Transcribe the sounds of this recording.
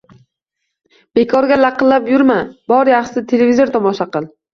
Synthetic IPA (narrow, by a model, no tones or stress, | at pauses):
b̥e̞kʰɒɾɡʲalaqɨllːapjʊɾmabɒɾjaχʃsɪt̪ʰelevʲizoɾt̪ʰɒmɒʃaqɨlˠ